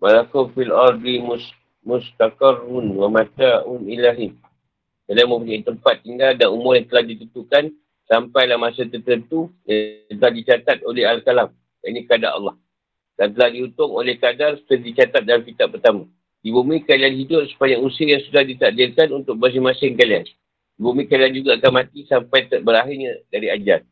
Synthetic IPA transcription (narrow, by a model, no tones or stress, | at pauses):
malakufilard̪ims | mʊst̪akarʊnwamat̪aʊnilaɦim | kalamə̃puɲait̪əmpat̪ːiŋɡaldanumʊrjaŋt̪əlahdit̪ənt̪uʔkan | sampajlahmasət̪ərt̪ənt̪ujat̪əlahdit͡ʃat̪at̪̚olɛɦalkalam | jainĩkada̰ɾɑ̰lːɑh | dant̪əlahdiut̪ʊŋo̰lɛhkadarst̪ədit͡ʃat̪at̪̚dalamfit̪aʔpərt̪amã | ibumĩkalianɦidʊt̪̚sə̥paɲakusiəjaŋsudahdit̪aʔdɪrkanunt̪ʊk̚mas̬ɪmasɪŋkalian | ibumĩkaliand͡ʒuɡaːkanmãt̪isampajt̪əbəɾaɦɪrɲadaɾiad͡ʒa̰r